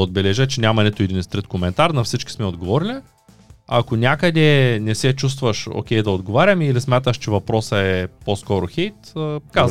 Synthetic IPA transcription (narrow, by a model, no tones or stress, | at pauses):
od̪̚bɛlɛʒət͡ʃɛnʲamɐnɛt̪ʊɛd̪inist̪ɾit̪komɛnt̪aɾnɐfsit͡ʃkʲi̥smɛod̪ɡovɔɾilʲi | ɐ̰konʲakəd̪ɛnɛsɛt͡ʃust̪vɐʃo̰kʲɛjd̪ɐod̪ɡovaɾʲɐmilismʲat̪əʃt͡ʃɛvɐpɾɔsɐɛposkɔɾʊxɛjt̪ːka